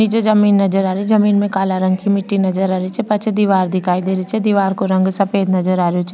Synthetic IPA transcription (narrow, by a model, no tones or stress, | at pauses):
id͡ʒed͡ʒɐmiːnːɐd͡ʒəɾaːɾizɐmiːnmẽkaːlaɾə̃ŋɡkimɪʈːinɐd͡ʒəɾaːɾit͡ʃʰɛpɐt͡ʃʰed̪iʋaːɾd̪ɪkʰaːid̪eːɾit͡ʃʰɛd̪iːʋaːɾkoɾɐ̃ŋɡsɐpeːd̪nɐzəɾaːɾjot͡ʃʰ